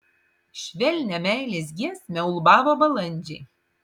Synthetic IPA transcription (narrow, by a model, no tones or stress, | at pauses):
ʃʲʋʲɛlʲnʲɛmʲæˑɪlʲeːs̬ʲɡʲiɛsmʲɛʊlˠbɑːʋoːbɐlˠɐnʲd͡ʒʲɛɪ